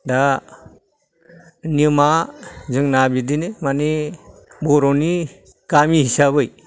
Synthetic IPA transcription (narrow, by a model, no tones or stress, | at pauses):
da | nimazɯŋnabidinemani | bɔɾɔni | kamihisabɯj